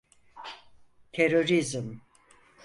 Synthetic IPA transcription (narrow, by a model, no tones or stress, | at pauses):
t̪ʰeɾo̞ɾizm